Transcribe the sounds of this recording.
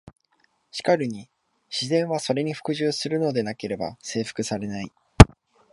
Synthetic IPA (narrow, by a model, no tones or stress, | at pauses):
ɕi̥kaɾɯ̟ɲ̟i | ɕizẽ̞ɰ̃βaso̞ɾe̞ɲ̟iɸɯ̟̥kɯ̟ʑɨːsɨɾɯ̟no̞d̪e̞nake̞ɾe̞ba̰se̞ːɸɯ̥kɯ̟saɾe̞nai